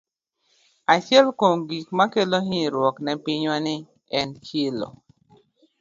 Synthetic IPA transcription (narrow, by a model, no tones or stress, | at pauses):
at͡ʃjɛlkomɡikmakeloɦiɾwɔknɛpɪɲwanɪ | ɛnkelo̰